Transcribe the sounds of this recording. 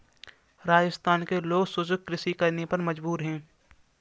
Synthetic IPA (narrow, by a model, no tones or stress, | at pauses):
ɾaːd͡ʒəst̪ʰaːnkeloːɡsʊd͡ʒʊɡ̚kɾɪsikɐɾnepɐɾmɐd͡ʒbuːɾɦɛ̃ː